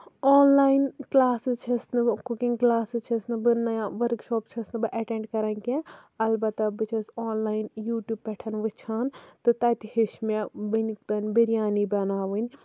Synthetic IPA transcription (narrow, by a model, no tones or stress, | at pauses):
oːnlaːjinklaːsɨt͡ʃʰɐsnɨkukĩŋɡklaːsɨt͡ʃʰɐsnɨbɨnɐjãʋɐɾkʃoːpt͡ʃʰɐsnɨbɨʔɐʈẽːɳɖkɐɾɐnkẽɐlbɐt̪ɐbɨt͡ʃʰɐsoːnlaːjinjuːʈʲjuːb̚pːɛʈʰɐnʋɨt͡ʃʰaːnt̪ɨt̪ɐt̪ihiʃmebɨnikt̪ɐnʲbɐɾijaːnibɐnaːʋɨnʲ